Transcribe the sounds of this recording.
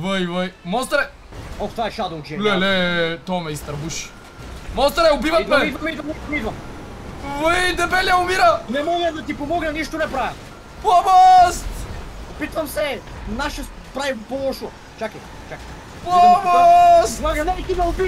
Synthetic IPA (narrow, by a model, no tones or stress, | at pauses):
vəjvəjmɔst̪ɾɛ | ɔft̪ovaɛʃad̪ot͡ʃɛlɛlɛt̪ɔmɛist̪ɾɐbuʃ | mɔst̪ɾɛobivɐid̪vmɐɛmid̪vɐmɛid̪vɐmid̪vɐmid̪vɐm | vəjd̪ɛbɛliaʊmiɾɐnɛmɔɡɛd̪ɐt̪ipomɔɡnɐniʃt̪onɛpɾavɛm | pˠamast̪opit̪vɐmsɛnaʃɛ | pɾajipolˠɔʃo | t͡ʃaki | t͡ʃaki̥ | pɔmsmɔɡ̪ɐnɛt̪imɛobi